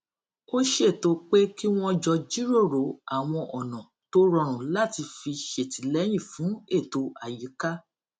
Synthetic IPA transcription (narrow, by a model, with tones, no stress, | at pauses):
o˦ʃe˦˨to˧k͡pe˦ki˦w̃ɔ̃˦d͡ʒɔ˧d͡ʒi˦ɾo˦˨ɾo˨˦a˨w̃ɔ̃˧ʔɔ˨nɔ̃˨ | to˦ɾɔ˧ɾ̃ũ˨la˦˨ti˧fi˧ʃe˨ti˨˦lɛ˨˦j̃ĩ˦˨fũ˨˦e˦˨to˧a˨ji˨˦ka˦